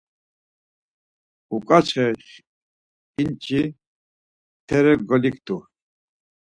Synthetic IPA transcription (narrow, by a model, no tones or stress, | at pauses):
ukʼat͡ʃʰɛʃ | int͡ʃʰi | t̪ʰɛɾɛɡɔlikʰt̪ʼu